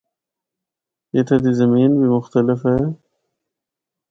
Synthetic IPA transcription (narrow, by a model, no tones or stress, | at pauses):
jet̪ʰɐd̪izɐmiːnbimʊxt̪ɐlɪfe